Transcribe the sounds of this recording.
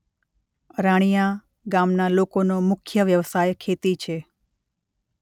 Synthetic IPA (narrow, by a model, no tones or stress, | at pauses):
ɾaɽ̃ija | ɡamnalokonomʊkʰjəʋjəʋsajkʰet̪it͡ʃʰe